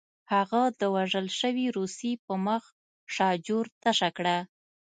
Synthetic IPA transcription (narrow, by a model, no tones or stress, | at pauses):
haɣad̪əwaʒəlʃəwiɾusipəməx | ʃɑd͡ʒoɾt̪aʃakɽa